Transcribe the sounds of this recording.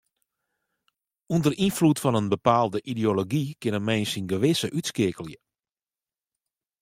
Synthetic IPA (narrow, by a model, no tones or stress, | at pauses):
undərinflutfɔnənbəpaːlˠdəʔidioloɡikɪnəmɛjnsinɡəʋɪsəʔytskɪəkəlˠjə